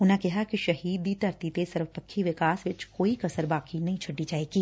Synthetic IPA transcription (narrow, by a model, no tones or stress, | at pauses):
ʊnãkɛɦakiʃɐɦiːd̪it̪ɐɾt̪it̪esɐɾʋəpəkʰːiʋɪkaːsʋɪt͡ʃkoːikɐsəɾbaːkinɐɦĩt͡ʃʰɐɖːid͡ʒaːeːɡiː